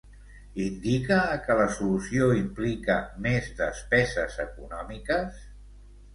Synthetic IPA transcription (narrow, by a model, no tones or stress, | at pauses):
ind̪ikəkələsulusioimplikəmezd̪əspɛzəzəkunɔmikəs